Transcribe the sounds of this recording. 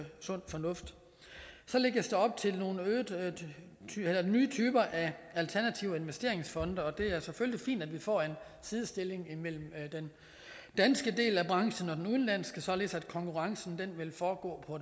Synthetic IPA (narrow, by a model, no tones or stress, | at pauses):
sɔ̽n̰fɒ̽nɔ̽fd̥ | sɒ̽le̝ɡ̥ɐsd̥eɒ̽b̥̚t͡sʰe̝lno̝ːn̩øːðˠʰ | elɐnyːt͡sʰyːb̥ɐʔæælt͡sʰæɐnæt͡sʰiʊe̝nʋesd̥e̝ɐ̰e̝ŋsfɒ̽nd̥əɒ̽d̥e̝æɐsefølʲlifḭːnd̥ædʋifɒ̰ːe̝n | siːð̞ˠsd̥e̝le̝ŋimel̰m̩d̥en | d̥ænsɡ̥əd̥e̝̰ːlæb̥ʁɑ̈ŋʃn̩ɒ̽d̥enuðˠn̩læn̰sɡ̥əsɒ̽le̝ːð̩ˠsæd̥kʰɒ̽ŋkʰuʁɑ̈ŋsn̩d̥enʋelfɒːɡ̥ɔ̰̽ːpʰɒ̽